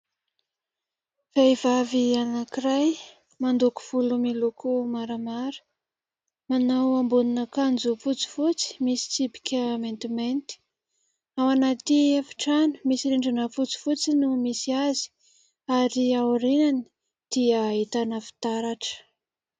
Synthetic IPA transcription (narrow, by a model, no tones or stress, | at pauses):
v̥ejvavianakiraj | mand̪uku̥v̥ulumilukumaɾamaɾə̥ | manawambuninəkand͡zufut͡si̥fut͡si̥misi̥t͡sipi̥kʲəment̪iment̪i̥ | awanat̪iafi̥ʈ͡ʂani̥misiɾeɳɖ͡ʐanəfut͡si̥fut͡sinumisiazi̥ | aɾiauɾenani̥ | d̪̥iaɦit̪anəfi̥t̪aɾaʈ͡ʂə̥